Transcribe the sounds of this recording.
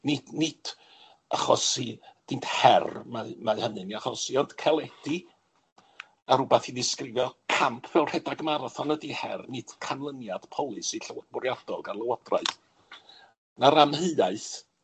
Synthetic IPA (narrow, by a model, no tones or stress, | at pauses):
nɪdnɪd̥ | aχɔsid̥ɪnthɛrmamaɨhənɨniaχɔsiɔnd̥kʰɛlˠɛd̥i | aɾʊbaθiðɪskrɪvjɔkʰampʰvɛwrhɛdaɡmaɾɔθɔnədihɛ̰rnɨd̥kʰanlˠənjad̥pʰɔlˠɨsiɬəwbʊrjad̥ɔɡarlˠəwɔd̥ra̰ɨθ | naɾamhəaɨθ